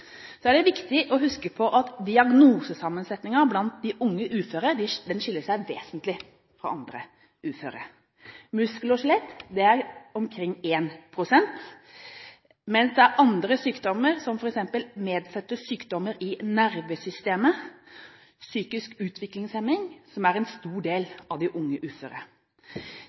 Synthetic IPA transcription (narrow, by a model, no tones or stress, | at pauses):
sɔæɖɛʋɪkt̪ɪʔɔɦʉskəpʰɔʔɑt̪d̪ɪɑɡnuːsəsɑmːənsɛt̪nɪŋɑɾblɑnt̪̚d̪ɪʔʊŋːəʔʉːføːɾəɾɖ̪ɪd̪ɛnʂɪlːəʂæɪʋeːsənt̪lɪ | fɾɑ̰ɑnd̪ɾə̰ | ʉːfø̰ːɾə̰ɾ | mʉskəlɔʂlɛt̪ːd̪ɛæɾɔmkʰɾɪŋːeːnpʰɾʊsɛnt̪ | mɛnsd̪ɛæɾɑnd̪ɾəsyːkd̪ɔməɾsɔmfɔɾɛksɛmpəlmeːd̪sɛt̪ːəsyːkd̪ɔmːəɾɪnæɾʋesʏst̪eːmə | syːkɪskʉːt̪ʰʋɪklɪŋsɛmːɪŋsɔmæɾɛnst̪uːɖeːlɑʋd̪ɪʔʊŋːəʔʉːfø̰ːɾə̰